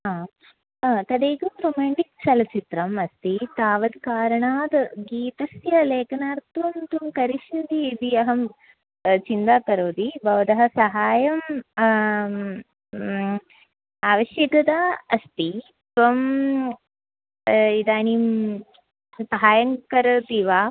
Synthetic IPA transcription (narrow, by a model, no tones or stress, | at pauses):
ɦaː | t̪ɐd̪eːɡumɾoːmaːɳʈik̚sɐlɐt͡ʃit̪ɾɐmɐst̪it̪aːʋɐd̪kaːɾɐɳaːd̪ɡiːt̪ɐsjɐleːkɐnaːɾt̪ʋɐmt̪umkɐɾiʃud̪iːd̪iɐɦɐm | t͡ʃind̪aːkɐɾoːd̪ibʱɐʋɐd̪ɐɦɐ̆sɐɦaːjɐm | aːʋɐʃjɐɡɐd̪aːɐst̪i | t̪ʋɐm | id̪aːnim | sɐɦaːjɐŋkɐɾɐt̪iʋaː